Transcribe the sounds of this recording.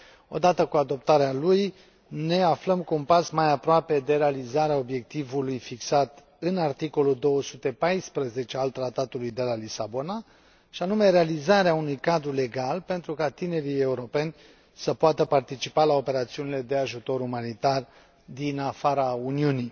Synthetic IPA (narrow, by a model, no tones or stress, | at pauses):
o̞̰d̪at̪əkuad̪o̞p̚t̪aɾealuj | ne̞afləmkuunpasmajapɾoape̞d̪e̞ɾe̞alizaɾeao̞bje̞k̚t̪ivulujfiksat̪ | ɨnart̪iko̞luld̪o̞wəsut̪e̞pajspɾəze̞t͡ʃealt̪ɾat̪at̪ulujd̪e̞lalisabo̞na | ʃianume̞ɾealizaɾeaunujkad̪ɾule̞ɡalpe̞nt̪ɾukat̪ine̞ɾije̞uɾo̞pe̞nʲ | səpoat̪əpart̪it͡ʃipalao̞pe̞ɾat̪siunile̞d̪e̞aʒut̪o̞ɾumanit̪ar | d̪inafaɾauniuni